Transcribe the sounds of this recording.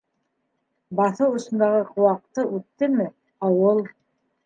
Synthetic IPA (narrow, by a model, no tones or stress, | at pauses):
bɑθɤwŏsɤ̆nd̪ɑʁɤqʰŏwɑq̚t̪ɤʔʉt̪ːɘmɘ | ɑwɤlˠ